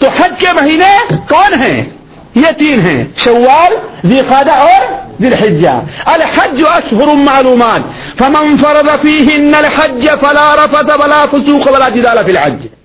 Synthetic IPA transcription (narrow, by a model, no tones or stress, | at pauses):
t̪oħad͡ʒkemɐɦiːnekɔːnɦɛ̰̃ː | jet̪iːnɦɛ̰̃ːʃɐwːaːlziːqaːd̪aɔːɾzɪlħɪd͡ʒːa̰ɐlħad͡ʒːʊʔɐʃɦʊɾʊmaʕluːmaːt̪ | fɐmɪnfɑɾˤɑd̪ˤɑfiːɦɪɪnːɐlħad͡ʒːɐfɐlaːɾˤɑfɐt̪awɐlaːfʊsuːqawɐlaːd͡ʒɪd̪aːlafilħa̰d͡ʒ